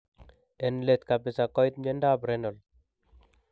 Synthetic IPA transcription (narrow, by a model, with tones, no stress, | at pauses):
ɛ˨nle˨t̪ka˨pɪ˨sa˨kɔ˦jt̪̚ɲe˦nda˦bɾɛnɔ˨l